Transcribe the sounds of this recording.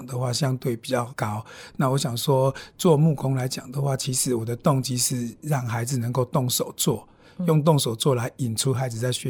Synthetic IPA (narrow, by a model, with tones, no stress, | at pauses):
ŋd̪ə˨xwa˥˩ɕjɑ˦ŋt̪we˥˩ɪpi˨˩t͡ɕjɑ˥˩ʊkɑ˦˥ʊna˥˨wɔ˦˥ɕja˨˩ŋʂwɔ˦t͡swɔ˥˧mu˥˨kʊ˦ŋla˧˦ɪt͡ɕja̰˨˩ŋd̪ə˦xwa˥˩t͡ɕʰi˧˥ʂɻ̩˨˥wɔ˨˩d̪ə˦t̪ɔ˥˧ŋt͡ɕi˦˥ʂɻ̩˧ɻɑ˥˩ŋxa˧˥ɪd͡z̩˨nə˧˦ŋko˥˧ʊt̪ɔ˥˩ŋʂo˨˩˦ʊt͡swɔ˥˩ | jɔ˥˧ŋt̪̬ɔ˥˨ŋso˨˩ʊt͡swɔ˥˨la˨˦ɪi˨˩nʈ͡ʂʰu˦xa˧˥ɪd͡zɹ̩˨˩t͡sa˥˧ɪɕɥɛ˥